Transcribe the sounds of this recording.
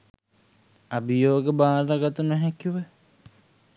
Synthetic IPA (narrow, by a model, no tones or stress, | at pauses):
abijoːɡebaːlaɡat̪unəɦækiʋə